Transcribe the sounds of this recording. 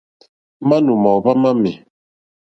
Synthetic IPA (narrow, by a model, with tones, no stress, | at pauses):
ma˦nu˨ma˨wβa˦ma˦mi˨